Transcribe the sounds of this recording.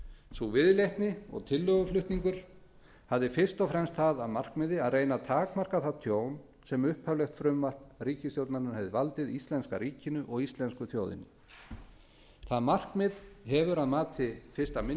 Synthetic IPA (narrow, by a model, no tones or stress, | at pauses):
suvɪðlejht̪nɪɔ̰ɣt̪ʰɪlːœɣʏflʏht̪niŋkʏɾ̥ | havðɪfɪr̥st̪ɔfɾɛmst̪θaðaðmar̥kmɪðɪaðreːjnat̪ʰaːkmar̥kaθaðt̪ʰjoːwn | sɛmʏhphœvlɛxt̪fɾʏmvar̥t̪riːcɪsjow̪t̪naɾnʏhɛvðɪvalt̪ɪðist̪lɛnskaɾiːcɪnʏʔɔɣist̪lɛnskʏθjowðɪ̰nʏ | θaðmar̥kmɪðɦɛvʏɾaðmaːt̪ʰɪfɪrst̪amɪ